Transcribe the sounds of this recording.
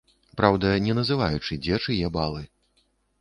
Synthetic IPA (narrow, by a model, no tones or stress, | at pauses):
pɾawd̪ɐnʲɛnɐzɨvajut͡ʂɨd͡zʲɛt͡ʂɨjɛbalˠɨ